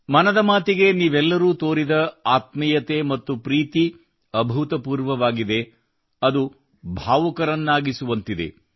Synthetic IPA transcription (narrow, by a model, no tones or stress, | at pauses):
mɐnɐd̪ɐmaːt̪iɡe̞niːʋɛlːɐɾuːt̪o̞ːɾid̪ɐaːt̪̚mɐjɐt̪e̞ːmɐt̪ːupɾiːt̪i | ɐbʱut̪ɐpuːɾʋɐʋaːɡid̪e̞ | ɐd̪u | bʱaːʋɐkɐɾɐnːaːɡisuʋɐnt̪id̪e̞̰